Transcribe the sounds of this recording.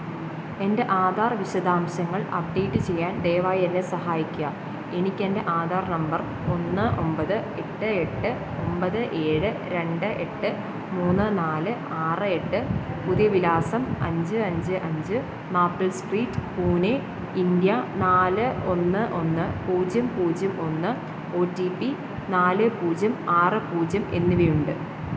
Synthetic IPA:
e̞nde̞ʔaːd̪ʱaːrʋiɕɐd̪aːmɕɐŋːɐɭɐ̰p̚ɖejʈːɨt͡ɕe̞jːaːnd̪eːʋaːjɐnːesɐɦaːjikʲːuɡɐ | e̞nikʲːe̞nde̞ʔaːd̪ʱaːrnɐmbɐr | o̞nːɨo̞mbɐðɨe̞ʈːɨe̞ʈːɨ | o̞mbɐðɨʔe̞ːɻɨ | ɾe̞ɳɖɨʔe̞ʈːɨ | muːnːɨnaːlɨ | aːrɨe̞ʈːɨ | puðijɐʋilaːsɐmɐ̰ɲd͡ʑɨɐɲd͡ʑɨʔɐɲd͡ʑɨ | naːpːɐlsʈriːtːpuːne | ind̪jɐnaːlɨo̞nːɨʔo̞nːɨpuːd͡ʑɐmpuːd͡ʑɐmo̞nːɨ | o̞ːtːipːi | naːlɨpuːd͡ʑɐmaːrɨpuːd͡ʑɐme̞̰nːiʋɐjuɳɖɨ

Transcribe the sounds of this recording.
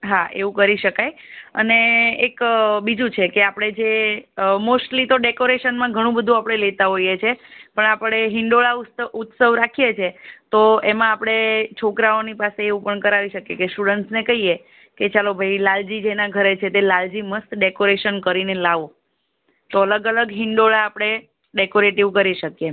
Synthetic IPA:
ɦaʔḛʋũkəɾiʃəkajə̰neːkbid͡ʒũt͡ʃʰekeapɽ̃ed͡ʒe | mosʈlit̪oɖekoɾeʃənmãɡʱəɽ̃ũbəd̪ʱũapɽ̃elet̪aɦoijet͡ʃʰepəɳapəɽ̃eɦɪɳɖoɭauut̪səʋɾakʰijet͡ʃʰet̪oemãːpɽ̃et͡ʃʰokɾaonipaseːʋũpəɳkəɾaʋiʃəkjekesʈuɽəɳʈsnekəɦije | ket͡ʃalobʱəjlald͡ʒid͡ʒenaɡʱəɾet͡ʃʰet̪elald͡ʒiməst̪ɖekoɾeʃənkəɾinelaʋo | t̪oələɡələɡɦɪɳɖoɭaːpɽ̃e | ɖekoɾeʈiʋkəɾiʃəkje

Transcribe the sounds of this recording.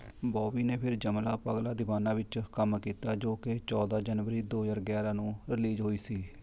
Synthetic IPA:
bɔːbiːneːpʰɪɾd͡ʒəmlaːpəɡlaːd̪ɪʋaːnãːʋɪt͡ʃkəmkiːt̪aːd͡ʒoːket͡ʃɔːd̪aːd͡ʒənʋəɾiːd̪oːd͡ʒaːɾɡɛːɾaːnũːɾɪliːd͡ʒɦoːiːsiː

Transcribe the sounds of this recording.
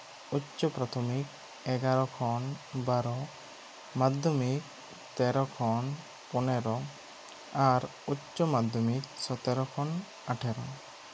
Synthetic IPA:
utːt͡ʃːɔpɾat̪ʰɔmik | ɛɡaɾɔkʰɔnbaɾɔ | mad̪ʱjɔmik | t̪ɛɾɔkʰɔn | pɔnɛɾɔ | aɾuɔmad̪ʱjɔmiksɔt̪ɛɾɔkʰɔn | aʈʰɛɾɔ

